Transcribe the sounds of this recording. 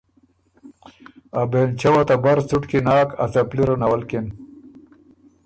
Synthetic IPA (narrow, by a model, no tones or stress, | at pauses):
abeːnt͡ɕawat̪abaɾt͡suʈkinaːka̰t͡sapliɾonawalken